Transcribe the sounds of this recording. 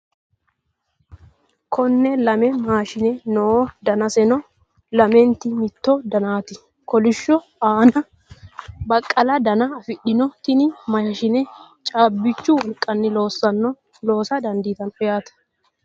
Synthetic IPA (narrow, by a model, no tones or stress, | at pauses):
kʰɔnːɛlɐmɛmaːʃɪnɛnoːd̪ɐnɐsɛnɔ | lɐmɛnt̪ɪmɪt̪ːɔd̪ɐnaːt̪ɪ | kɔlɪʃːɔ | aːnɐ | bɐkʼːɐlɐd̪ɐnɐːfɪɗːɪnɔt̪ɪnɪmɐʃɐʃɪnɛ | t͡ʃʼaːbːɪt͡ʃːʊwɔlkʼːɐnːɪlo̞ːsːɐnːɔ | lo̞ːsɐd̪ɐnd̪iːt̪ɐnɔjaːt̪ɐ̥